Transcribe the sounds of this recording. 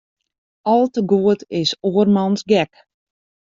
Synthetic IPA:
ɔlˠtəɡuətɪsoərmɑnsɡɛk

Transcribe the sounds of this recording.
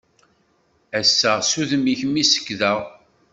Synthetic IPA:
æsːæsuðəmiçmisə̥kːðəʁ

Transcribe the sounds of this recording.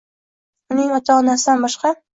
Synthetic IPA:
ʊnɪŋɒt͡ʃ̪ʰɒnasɪd̪anbɒʃqɑ

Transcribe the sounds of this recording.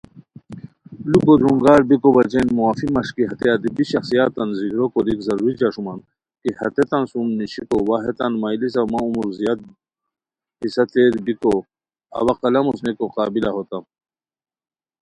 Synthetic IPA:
lukod̪ɾuŋɡaːɾbikobɐt͡ʃenmuwaːfimɐʂkiɦɐt̪eɐd̪ibiɕɐxsijat̪ːɐnzikɾokod̪ikzɐɾuɾid͡ʒaʂuman | kihɐt̪et̪ɐnsumniɕikowaɦet̪anmaːjlis̬ɐmaumuɾzijat̪̚ | hisɐt̪eɾbiko | ɐ̰wɐqɐlɐmusnekoqaːbilaɦot̪a

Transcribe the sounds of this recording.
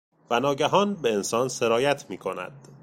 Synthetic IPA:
vænɒːɟæɦɒːnbe̞ensɒːnse̞ɾɒːjæt̪ʰmiːkʰo̞næ̰d̪̥

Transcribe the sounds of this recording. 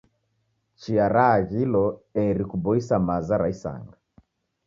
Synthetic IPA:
t͡ʃiaɾaːɣilɔɛɾikubɔisamazaɾaisa̰ŋɡa

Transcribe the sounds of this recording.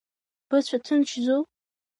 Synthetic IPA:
b̥ɨt͡ɕʷʰatʰɨnt͡ʃʰzo

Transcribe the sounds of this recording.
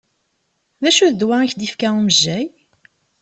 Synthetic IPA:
ðæʃuðd̪waiçd̪ifkæuməʒːæj

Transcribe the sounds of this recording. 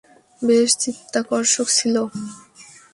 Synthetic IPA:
beʃt͡ɕit̪ːakɔɾʃokt͡ɕʰilo

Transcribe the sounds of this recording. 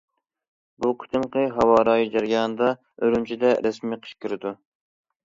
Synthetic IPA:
buqʰə̥t̪ʰɨmqʰɨɦɑwɑːɾɑːjid͡ʒɑɾijɑːnɨd̪ɑ | øɾymt͡ʃʰid̪ɛɾɛsmiqʰə̥ʃkʲyɾɪd̪u

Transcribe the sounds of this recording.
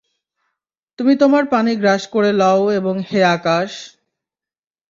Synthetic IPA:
t̪umit̪omaɾpaniɡɾaʃkoɾelaoeboŋheakaʃ

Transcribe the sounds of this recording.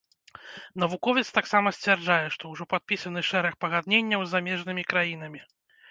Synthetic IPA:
nɐvukɔvʲɛt̪st̪aksamɐsʲt͡sʲvʲɛrd͡ʐajɛʂt̪ɔwʐɔpat̪̚pʲisɐnɨʂɛɾɐxpɐɣad̪nʲenʲːɐwzːamʲɛʐnɨmʲikɾajinɐmʲi

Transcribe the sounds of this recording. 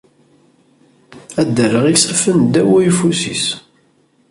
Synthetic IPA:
æd̪ːəɾəʁisəfənd̪æwæjfusis

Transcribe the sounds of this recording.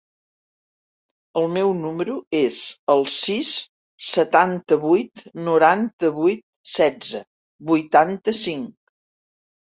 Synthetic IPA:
əlˠmɛwnuməɾuezəlˠsis | sət̪ant̪əβujt̪nuɾant̪əβujt̪̚sɛd͡zə | bujt̪ant̪əsiŋk

